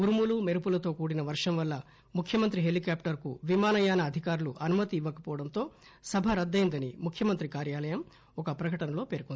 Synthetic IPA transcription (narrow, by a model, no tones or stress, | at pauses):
uɾumulumeɾupulɐt̪o̞ːkuːɽinɐʋɐɾʂɐmʋɐlːɐ | mukʰjɐmɐnt̪ɾiɦelikaːpʈɐɾkuʋimaːnɐjaːnɐːd̪ʱikaːɾuluʔɐnumɐt̪iːʋːɐkɐpɔːʋɐɽɐnt̪o̞ːsɐbʱɐɾɐd̪ːɐjind̪ɐnimukʰːjɐmɐnt̪ɾikaːɾjaːlɐjɐm | ɔkɐpɾɐkɐʈɐnɐlo̞ːpe̞ːɾkoni